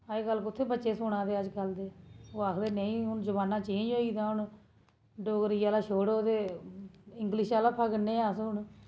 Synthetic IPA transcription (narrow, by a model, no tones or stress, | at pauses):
aeːɡəlːkʊt̪ʰːeːbətːʃeːsʊɳãːd̪eːəd͡ʒkəld̪eːoːaːkʰleːneːĩːʊnzəbaːnːãːt͡ʃẽːnd͡ʒoːiːd̪aːʊɳ | ɖoːɡɾiːaːlaːʃoːɽoːt̪eː | ɪŋɡlɪʃaːlaːpʰəɡnːẽːaːsʊɳ